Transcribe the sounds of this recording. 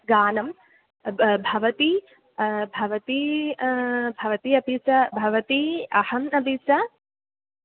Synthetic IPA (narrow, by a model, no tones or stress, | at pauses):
ɡaːnɐm | bʱɐʋɐt̪i | bʱɐʋɐt̪i | bʱɐʋɐt̪iɐbʱit͡ʃɐbʱɐʋɐt̪iɐhɐmnɐbʱit͡ʃɐ